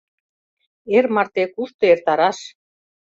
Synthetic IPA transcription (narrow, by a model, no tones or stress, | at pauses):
ermɑrt̪ekuʃt̪ɤ̆ert̪ɑɾɑʃ